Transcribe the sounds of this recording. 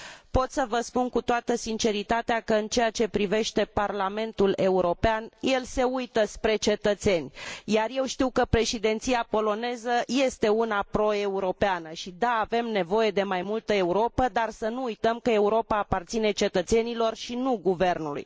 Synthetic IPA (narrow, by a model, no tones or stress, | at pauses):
po̞t̪səvəspunkut̪oat̪əsint͡ʃe̞ɾit̪at̪eakəɨnt͡ʃe̞jat͡ʃe̞pɾive̞ʃt̪e̞parlame̞nt̪ule̞uɾo̞peanje̞lse̞ujt̪əspɾe̞t͡ʃe̞t̪ət̪se̞nʲjarje̞wʃt̪iwkəpɾe̞ʃid̪e̞nt̪siapo̞lo̞ne̞zəje̞st̪e̞unapɾo̞e̞uɾo̞peanəʃid̪aːve̞mne̞vo̞je̞d̪e̞majmult̪əe̞uɾo̞pəd̪arsənuujt̪əmkəe̞uɾo̞paːpart̪sine̞t͡ʃe̞t̪ət̪se̞nilo̞rʃinuɡuve̞rnulṵj